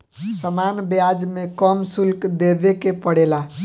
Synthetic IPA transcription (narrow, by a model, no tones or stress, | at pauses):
səmanbjad͡ʒmekəmsulkd̪eb̪ekepəɽela